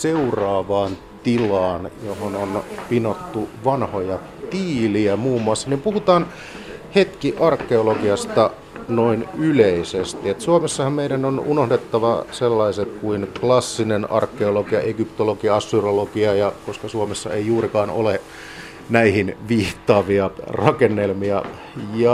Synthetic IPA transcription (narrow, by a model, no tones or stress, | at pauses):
seurɑːʋɑːn | t̪ilɑːnjohononpinot̪ːuʋɑnhojɑ | t̪iːliæmuːmːuɑsːɑnimpuhut̪ɑːn | het̪kiʔɑrkːeolokiɑst̪ɑ | noinyleisest̪iet̪suomesːɑhɑmmeiɾænonunohdet̪ːɑʋɑselːɑiset̪̚kuinklɑsːinenɑ̰rkːeolokiɑ̰ʔeɡypt̪olokiɑɑsːyrolokiɑjɑkoskɑsuomesːɑ̰eijuːɾikɑːno̰le | næihinʋiːht̪ːɑːʋiɑrɑkenːelmiɑ | jɑ